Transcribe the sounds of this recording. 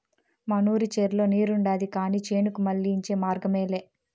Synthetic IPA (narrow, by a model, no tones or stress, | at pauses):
mɐnuːɾit͡ʃeːɾlo̞ːniːɾuɳɖaːd̪ikaːniːt͡ʃeːnukumɐɭːiːɲt͡ʃe̞ːmaːɾɡɐmeːleː